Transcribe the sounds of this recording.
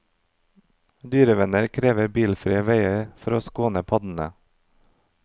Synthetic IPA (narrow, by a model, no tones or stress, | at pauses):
d̪yːɾəʋɛnəɾkʰɾeːʋəɾbiːlfɾiːəʋeɪəɾfɔɾoːskoːnəpʰɑd̪n̩ə̰